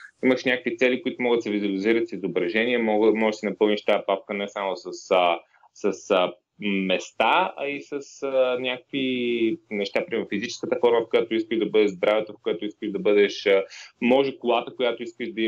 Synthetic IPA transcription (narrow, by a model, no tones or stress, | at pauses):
iməʃnʲakəkvit̪sɛlikoit̪ʊmɔɣət̪sɛvizuɐliziɾət̪sizobɾɐʒɛniɛmɔmɔʒɛʃsɛnɐpɤlˠniʃt̪aɛpafkənɛsamʊsəsə | səsə | mɛst̪aɐ̰isəsnʲakəkvinɛʃt̪apɾiɛɾfizit͡ʃɛ̥skət̪əfɔɾməfkojat̪ʊiskəʒd̪ɐbɤd̪ɛʒzd̪ɾavɛt̪əfkojat̪ʊiskəʒd̪ɐbɤd̪ɛʃəmɔʒɛkʊlˠat̪əkojat̪oiskəʒd̪ɐ